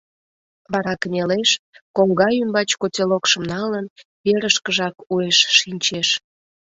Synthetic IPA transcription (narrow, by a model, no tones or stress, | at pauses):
βɑɾɑkənʲeleʃkoŋɡɑjymbɑt͡ɕkotʲelokʃəmnɑlən | eɾəʃkəʒɑkueʃːinʲt͡ɕeʃ